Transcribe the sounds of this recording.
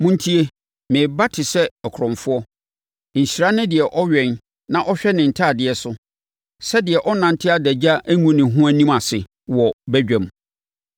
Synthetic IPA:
mʊ̃˦n˦tʰi˦e˦ | mɪ̃˨ba˦tʰɪ˨sɛ˦ɔ˨kʰɾɔ̃˨ɱfʊ˦ɔ˦ | ɲ̩˨ɕi˨ɾa˦nʊ̃˦dɪ˨ɛ˨ʔɔ˦ɥɛ̃˨n | nã˦˨ʔɔ˦ɕᶣɛ˦nɪ̃˨n̩˨tʰaː˦˨dɪ˨ɛ˨sʊ˦ | sɛ˦dɪ˨ɛ˨ʔɔ˦nã˨n˦tʰɪ˦a˦dɛ˨d͡ʑa˦ʔæ˦ŋũ˦nɪ̃˨ɦʊ̃˦æ˦nĩ˦ma˨sɪ˨ | wɔ˨bæ˦d͡ʑᶣæ̃˨m˨

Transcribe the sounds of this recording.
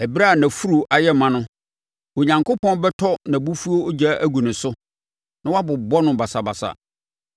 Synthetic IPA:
ɛ˨bɾa˦˨nã˨fu˦ɾu˨ʔa˨jɛ˦mã˦nʊ̃˦ | wo˨ɲã˨ŋkʰʊ˦pɔ̃˦n˦bɛ˦tʰɔ˦nã˨bu˦fu˦o˦o˦d͡ʑa˦ʔæ˦ɡu˨nʊ̃˨sʊ˦ | nã˦wa˦bʊ˨bɔ˦nʊ̃˨ba˨sa˨ba˨sa̰˨

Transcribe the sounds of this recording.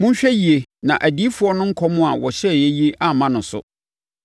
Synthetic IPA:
mʊ̃˦ɲ̩˦ɕᶣɛ˦ji˨e˨nã˨ʔæ˨diː˨˦fʊ˨˦ɔ˦nʊ̃˦ŋ̩˦kʰɔ˦mʊ̃˦a˨wɔ˨ɕɛ˦˨jɛ˦ji˦e˦ʔa˨mã˦nʊ̃˨n˨sʊ̰˦

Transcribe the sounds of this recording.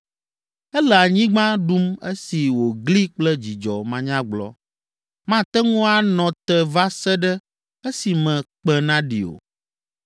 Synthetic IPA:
ɛ˦lɛ˨a˨ɲĩ˦ɡ͡bã˦ɖu˦me˦si˨wo˨ɡli˦k͡plɛ˦d͡ʑi˨d͡ʒɔ˨mã˨ɲã˦ɡ͡blɔ̰˦ | mã˦t̪ɛ˦ŋũ˦a˦nɔ̃˨t̪ɛ˨va˦sɛ˦ɖɛ˦ | e˦si˨mɛ̃˨k͡pɛ˦nã˦ɖḭ˨o̰˨

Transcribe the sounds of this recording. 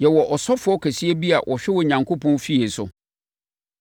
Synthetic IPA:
jɛ˨wɔ˨ʔɔ˨sɔ˦fʊ˨˦ɔ˦kʰæ˨si˦e˦bi˦a˨wʔɔ˨ɕᶣɛ˦wɔ˨ɲã˨ŋkʰo˦pʰɔ̃˦nfi˦e˨sʊ̰˨

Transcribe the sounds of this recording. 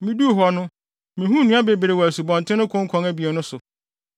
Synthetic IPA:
mĩ˦du˦˨ɦɔ˨nʊ̃˦ | mĩ˨ɦũ˦nũ˦a˦be˨be˨ɾe˨wɔ˨æ˨su˨bɔ̃˨n˨tʰɪ̃˦nʊ̃˦kʰʊ̃˦ŋ̩˦kʰɔ̃˨ŋæ˦bi˨e˨nʊ̃˦sʊ˨

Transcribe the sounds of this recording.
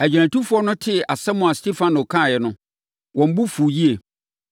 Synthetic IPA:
æ˨d͡ʑᶣi˨ɾ̃ã˨tu˦fʊ˦ɔ˦nʊ̃˦tʰɪ˦˨a˨sɛ˦mʊ̃˨a˨ste˦fã˦nʊ˨kʰã˦˨jɛ˨nʊ̃˦ | wʔɔ̃˨m̩˦bu˦fu˨ji˦e˨

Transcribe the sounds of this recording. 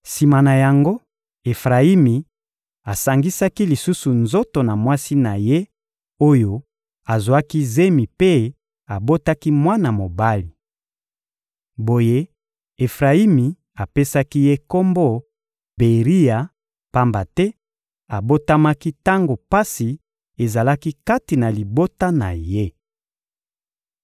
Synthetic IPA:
si˨ma˨na˨ja˨ŋɡo˦ | e˨fʁa˨i˦mi˨ | a˨sa˨ŋɡi˦sa˦ki˦li˨su˦su˨nzo˦to˨na˨mwa˦si˦na˨je˦ | o˦jo˨ | a˨zwa˦ki˦ze˦mi˨pe˦ | a˨bo˦ta˦ki˦mwa˦na˨mo˨ba˦li˨ | bo˨je˦ | e˨fʁa˨i˦mi˨ | a˨pe˦sa˦ki˦je˦ko˦mbo˦ | be˨ʁi˦ja˨ | pa˦mba˨tɛ˦ | a˨bo˦ta˦ma˦ki˦ta˦ŋɡo˨pa˦si˨ | e˨za˨la˦ki˦ka˦ti˨na˨li˨bo˦ta˦na̰˨je˦

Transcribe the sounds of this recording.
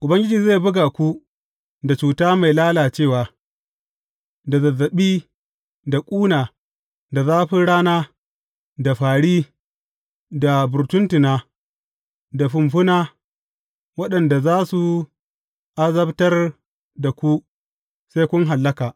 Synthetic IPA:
ʔʊ˨bɐ˦ŋɡʲɪ˦d͡ʒiː˨za˦˨bʊ˦ɡaː˨kʷu˦ | da˨t͡ʃuː˨taː˦ma˨jlaː˦laː˨t͡ʃeː˦˨waː˨ | da˨zɐ˨zːɐ˨ɓiː˦ | da˨kʷʼuː˦naː˨ | da˨zaː˦ɸɪ˦ɽaː˦naː˦ | da˨ɸaː˨ɽiː˦ | da˨bʊ˨ɾtʊ˦ntɪ˨naː˦ | da˨ɸʊ˨mɸʊ˦naː˦ | wɐ˦ɗɐ˨nda˨zaː˦su˨ | ʔa˦zɐ˦btɐ˦r | da˨kʷu˦ | sa˦kʷʊ˦ŋɦa˨lːɐ˦kaː˨ʔ

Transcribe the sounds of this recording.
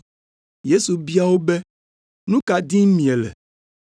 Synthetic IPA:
je˦su˨bi˦a˦wo˦bɛ˦ | nũ˦ka˨dĩ˦mĩ˨e˨lɛ̰˨

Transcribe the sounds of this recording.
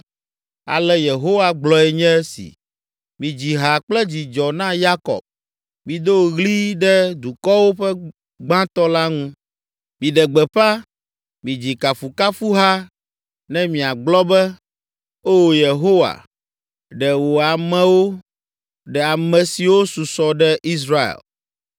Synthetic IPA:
a̰˨lɛ˦je˨ɦo˦wa˨ɡ͡blɔ˨ɛ˨ɲɛ̃˦sḭ˨ | mĩ˨d͡ʑi˨ɦa˨k͡plɛ˦d͡ʑi˨d͡ʒɔ˨nã˦ja˦kɔ̰˨b̚ | mĩ˨d̪o˦˨ɣli˦ɖɛ˦d̪u˨kɔ˦wo˦ɸɛ˦ | ɡ͡bã˦t̪ɔ˦la˦ŋũ˦ | mĩ˨ɖɛ˨ɡ͡bɛ˨ɸa˦ | mĩ˨d͡ʑi˨ka˨fu˨ka˦fu˦ɦa˦ | nɛ̃˦mĩ˨a˨ɡ͡blɔ˦bɛ˦ | o˦˨je˨ɦo˦wa̰˨ | ɖɛ˨wo˨a˨mɛ̃˦wo˦ | ɖɛ˨a˨mɛ̃˨si˨wo˦su˨sɔ˨ɖɛ˦ʔi˦s̬ɾa˦ḛ˨l

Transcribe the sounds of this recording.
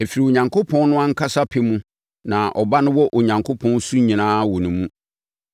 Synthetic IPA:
ɛ˨fi˨ɾi˨o˨ɲã˨ŋkʰo˦pʰɔ̃˦n˦nʊ̃˦a˦ŋ̩˦kʰa˦sa˦pʰɪ˨mũ˦ | nã˨ʔɔ˨ba˦nʊ̃˦wɔ˦ʔo˨ɲã˨ŋkʰo˦pʰɔ̃˦n˦su˦ɲĩ˨nãː˦wɔ˨nʊ̃˨mũ˦

